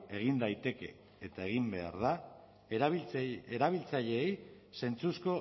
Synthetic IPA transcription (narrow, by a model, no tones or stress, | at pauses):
e̞ɣ̞ind̪ajt̪e̞ke̞ː | t̪ae̞ɣimbe̞a̰ɾð̞a | eɾaβ̞ilt͡saʎe̞ːj | se̞nt͡susko̞